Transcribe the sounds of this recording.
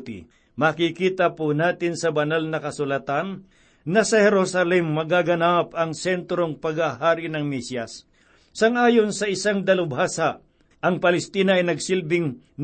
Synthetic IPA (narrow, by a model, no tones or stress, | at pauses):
t̪ɪ̰ | makikiːt̪ɐpʊnaːt̪ɪnsɐbɐnalnɐkɐsʊlɐt̪anː | ɐsɐhɛɾosɐlɛmːɐɡaɡɐnapɐŋsɛnt̪ɾoŋpɐɡaɦaːɾɪnɐŋmisjɐsː | ɐŋʔaːjonsɐʔɪsaŋd̪ɐlʊbhasaʔ | ʔɐŋpɐlɛst̪iːnɐʔɐjnɐɡsɪlbɪŋ | n